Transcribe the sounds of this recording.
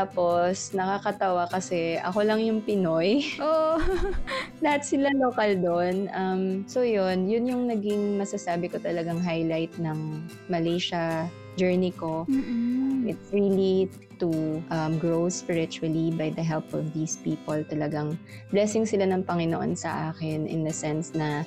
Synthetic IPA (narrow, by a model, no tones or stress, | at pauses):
t̪aːposnɐkakɐt̪ɐwakɐsɛʔɐ̰ko̞lɐŋjʊŋpɪnojʔoʔ | lɐhat̪̚sɪlalokald̪onʔɐmsojonjʊnjʊŋnɐɡɪŋmɐsɐsaːbɪkot̪ɐlɐɡaŋɦajlajt̪̚nɐŋ | mɐlejʃɐ | d͡ʒɛɹniko̞ | ʔɪt̪sɹiːli | t̪uʔɐmɡɹowspɪɹɪt͡ʃʊɐlibajd̪ɐɦɛlpɔvd̪iːspiːpolt̪ɐlɐɡaŋ | blɛsɪŋsɪlanɐŋpɐŋɪnoʔo̞̰nsɐ̰ʔaːkɛnɪ̰nd̪ɐsɛnsnɐ